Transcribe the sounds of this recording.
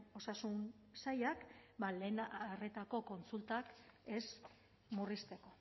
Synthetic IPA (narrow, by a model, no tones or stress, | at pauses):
o̞sasun | sajakbale̞ːnare̞t̪ako̞ko̞nt͡sult̪ake̞s | murist̪e̞ko̞